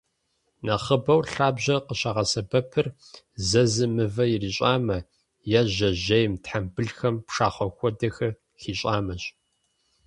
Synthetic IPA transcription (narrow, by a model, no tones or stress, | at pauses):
nɐχəbɐwɬaːbʑɐqəɕaʁɐsɐbɐpʰɨr | zɐzɨmɨvɐjiriɕʼaːmɐ | jaʑɐʑɐjmtħambɨɮxɐmpʂaːχʷɔxʷʼɔdɐxɐ | xiːɕʼaːmɐɕʼ